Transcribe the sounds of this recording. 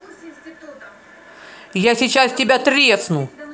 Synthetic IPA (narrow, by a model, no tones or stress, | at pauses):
jasʲɪt͡ɕastʲɪbʲat̪ɾʲesnu